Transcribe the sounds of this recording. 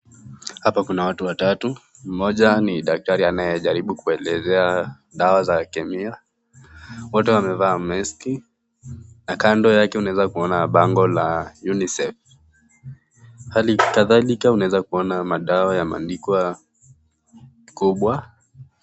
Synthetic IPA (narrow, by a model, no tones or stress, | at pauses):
hapakunawatuwatatu | m̩mɔʄaniɗak̚taɾianajɛʄaɾiɓukuɛlɛzɛa | ɗawazakɛmia | wɔtɛwamɛvaːmɛski | nakandɔjakɛunaɛzakuɔnaɓaŋɡɔlajunisɛf | halikaðalikaunaɛzakuɔnamaɗawajama̰ndikwa | kuɓwa